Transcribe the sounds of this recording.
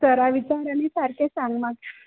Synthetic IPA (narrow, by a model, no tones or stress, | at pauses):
səɾaʋit͡ɕaɾanisaɾkesãŋɡmak